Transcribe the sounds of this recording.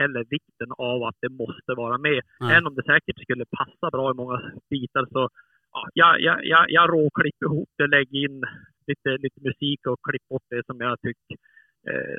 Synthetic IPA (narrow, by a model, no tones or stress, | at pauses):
ɛlːəɾvɪkt̪ənavat̪̚d̪ɛmɔst̪əvɑːɾamɛɛənɔmd̪ɛsɛːkəʈskɵlːəpʰasːabɾɑːɪmɔŋːab̥iːt̪aɾsɔ | ʔɑ̰jɑjɑ̰jɑ̰jɑɾoːkʰlɪpːɪhuːp̚d̪̥ɛlɛɡːɪnːliːt̪əliːt̪əmʉsiːkɔkʰlɪpːbɔʈ̚ːd̪ɛsɔmjat̪ʰʏkː